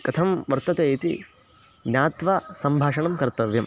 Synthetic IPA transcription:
kɐt̪ʰɐmʋɐɾt̪ɐt̪eːit̪ḭ | njaːt̪ʋaːsɐmbʱaːʂɐɳɐmkɐɾt̪ɐʋjɐm

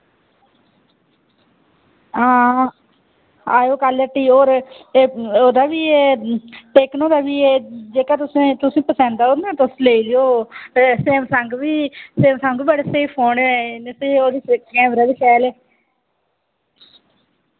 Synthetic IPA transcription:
ãː | aːjoːkaləʈːiːoːɾeoːd̪aːʋiːeːʈeːknõːd̪aːʋiːeːd͡ʒeːkaːt̪ʊsẽːt̪ʊsĩːpəsɛ̃ːnd̪aːoːnãːt̪ʊsleːilɪjoːseːmsəŋɡbiːseːmsəŋɡbəɽeːseipʰoːneẽnesẽːoːd̪iːsɪkɡɛ̃ːbɾaːdiːsɛːleː

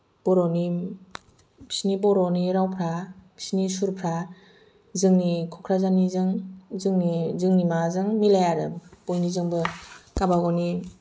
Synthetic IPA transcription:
b̥ɔɾɔni | pʰi̥snibɔɾɔniɾawpʰɾabʰi̥snisuɾpʰɾa | zɯŋnikʰɔkʰɾazanizɯŋzɯŋnizɯŋnimazɯŋmilajaɾɯb̥ojnizɯŋbɯkabaɡɔni

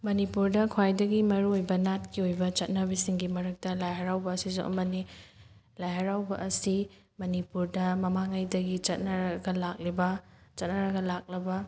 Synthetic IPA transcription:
mɐnipuɾdɐkʰwajdɐɡimɐɾuojbɐnat̚kiojbɐt͡ʃɐt̚nɐβisiŋɡimɐɾɐk̚tɐlajɦɐɾawbɐːsizṵʔɐ̰mɐni | lajɦɐɾawbɐʔɐsi | mɐnipuɾdɐmɐmaŋajdɐɡit͡ʃɐt̚nɐɾɐɡɐlak̚libɐt͡ʃɐt̚nɐɾɐɡɐlak̚lɐbɐ

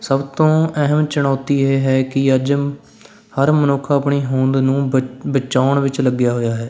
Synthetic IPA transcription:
səbt̪õːɛɦəmt͡ʃəɽ̃aːt̪iːeːɦɛːkɪəd͡ʒ | həɾmənoːkʰəːpɳiːɦõːnd̪nũːbət͡ʃaːɳʋɪt͡ʃləɡjaːɦoːjaːɦɛː

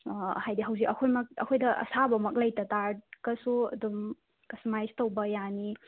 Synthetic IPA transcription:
hajdiɦawzikɐkʰojmɐk̚ɐ̰kʰojdɐʔɐ̰sabɐmɐk̚lɐjtɐtaɾkɐsuɐ̰dum | kɐstmajstɐwbɐjani

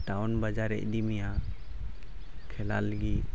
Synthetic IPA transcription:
ʈawnbad͡ʒaɾɛ̰ʔ̚d̪imija | kʰɛla̰ləɡi

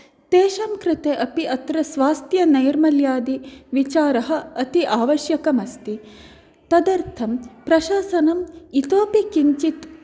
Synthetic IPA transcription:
t̪eːʃɐmkɾɪt̪eʔɐpiʔɐt̪ɾɐsʋaːst̪jɐnɐjɐɾmɐljaːd̪iʋit͡ʃaːɾɐɦɐ̆ɐt̪iʔaːʋɐʃjɐkɐmɐst̪i | t̪ɐd̪ɐɾt̪ʰɐmpɾɐʃaːsɐnɐmit̪oːpikiɲt͡ʃit̪

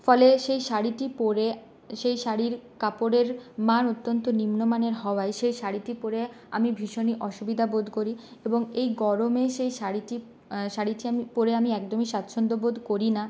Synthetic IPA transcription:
fɔleʃejʃaɽiʈipoɾe | ʃejʃaɾiɾkapoɾeɾmanot̪ːont̪onimnomaneɾɦɔoaeʃejʃaɽiʈipoɾe | a̰mibʱiʃoniʔɔʃubid̪ʱabod̪ʱkoɾieboŋejɡɔɾomeʃejʃaɽiʈi | ʃaɽiʈiamipoɾeamiɛkd̪omiʃat̪ʃʰond̪obod̪ʱkoɾina

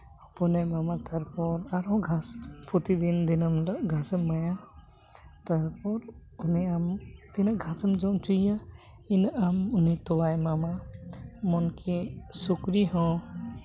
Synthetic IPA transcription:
ɔpɔnajmamat̪ʰaɾpɔɾaɾɔ̃ɡʱaspʰɔt̪id̪ind̪inəmlɡʱasəmːaja | t̪aɾpɔɾ | uniamt̪inaɡʱasəmd͡ʒɔ̃mt͡ʃuja | inamunit̪ɔwajmama | mɔnkʰisukɾiɦɔ̃

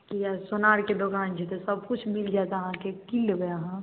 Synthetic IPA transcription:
kiasonaɾked̪oɡant͡ʃʰɛt̪esəb̚kut͡ʃʰmild͡ʒat̪ɦãkekilbeəɦã

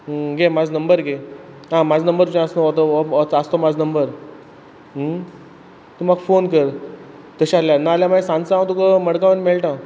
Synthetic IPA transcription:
ɡemad͡znəmbəɾɡe | ɦãmad͡znəmbəɾut͡ɕẽəsnot̪ot͡sast̪omad͡znəmbəɾ | t̪umaɡfonkəɾ | t̪əɕaaljanaːljaməesãnt͡saãw̃t̪ukəməɽkaʋənmeɭʈã

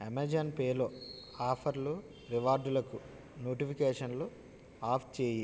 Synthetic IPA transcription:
emɐd͡ʒɐnpeːloː | aːpʰɐɾlu | ʋiʋaːɾd̪ulɐku | noːʈipʰikeːʂɐnlo | aːpʰt͡ʃeːji

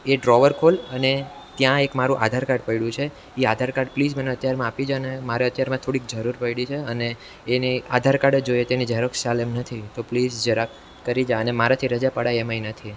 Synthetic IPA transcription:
eɖɾɔʋəɾkʰoləne | t̪jãekmaɾũʔa̰d̪ʱaɾkaɖpəiɽũt͡ʃʰe | iad̪ʱaɾkaɾɖplid͡ʒməneət̪jaɾmãapid͡ʒanemaɾeət̪jaɾmãt̪ʰoɽik̚d͡ʒəɾuɾpəiɽit͡ʃʰeəneː | niad̪ʱaɾkaɽəd͡ʒojet̪enid͡ʒəɾəkʃalemnət̪ʰit̪oplid͡ʒd͡ʒəɾak | kːəɾid͡ʒaənemaɾat̪ʰiɾəd͡ʒapəɽaemainət̪ʰi

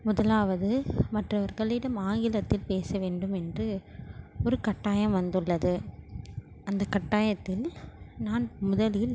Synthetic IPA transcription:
mʊðɐlaːʋɐðɯmɐʈrɐʋɐɾɣɐɭɪɽɐmaːŋɡɪlɐt̪ːɪlpeːsɐʋeːɳɖɯmɛndrɯ | ɔɾɯkɐʈːaːjɐ̃mʋɐnd̪ɯɭːɐðɯ | ɐnd̪ɐkɐʈːaːjɐt̪ːɪlnaːnmʊðɐlɪl

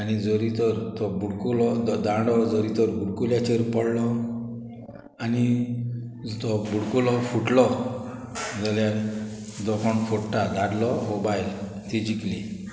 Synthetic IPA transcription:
añid͡zɔɾit̪ɔɾt̪ɔbuɽkulɔd̪ãɖɔd͡zɔɾit̪ɔɾbuɽkuljat͡ɕeɾpəɽlɔ | ani | t̪ɔbuɽkulɔfuʈlɔ | d͡zalja | d̪ɔkʰɔɳfʰoʈʈad̪aɾlɔmobajl | t̪id͡ʑikli

